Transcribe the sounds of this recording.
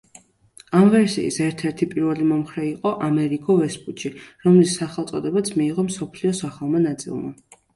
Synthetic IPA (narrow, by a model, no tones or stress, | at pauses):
amvɛɾsḭːsɛɾt̪ʰɛɾt̪ʰipʼiɾvɛlimɔmχɾɛiqʼɔʔamɛɾikʼɔvɛspʼut̪ʃiɾɔmlisːaχɛlˠt̪sʼɔd̪ɛbat̪sʰmiːʁɔmsɔpʰliɔsaχalˠmanat̪sʼḭlˠma̰